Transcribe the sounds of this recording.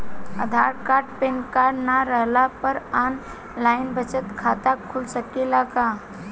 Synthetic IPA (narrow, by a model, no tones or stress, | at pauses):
ə̰d̪ʱaɾkaɾɖpenkaɾnaɾəɦlapəɾan | laɪnbət͡ʃət̪kʰat̪akʰulsəkelaka